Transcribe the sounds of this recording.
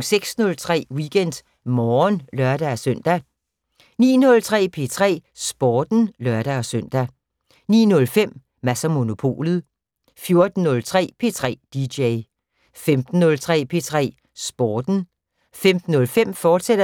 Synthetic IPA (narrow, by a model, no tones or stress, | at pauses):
ŋseɡ̥snɔ̽lt͡sʰʁɛ̰ːwiɡ̥en̰d̥ | mɒːnlɶɐd̥æsøn̰d̥æ | nḭːnɔ̽lt͡sʰʁɛ̰ːpʰe̝t͡sʰʁɛ̰ːsb̥ɒːd̥n̩lɶɐɾ̥æɒ̽søn̰d̥æ | nḭːnɔ̽lfem̰ | mæsɐmo̝no̝pʰo̝̰ːlð̩ˠ | fjo̝ɐd̥n̩ːɔ̽lt͡sʰʁɛ̰ːpʰe̝t͡sʰʁɛ̰ːd̥i̥eɪ | femd̥n̩ːɔ̽lt͡sʰʁɛ̰ːpʰe̝t͡sʰʁɛ̰ː | sb̥ɒːd̥n̩ | femd̥n̩ːɔ̽lfem̰fɒ̥ːse̥ɐ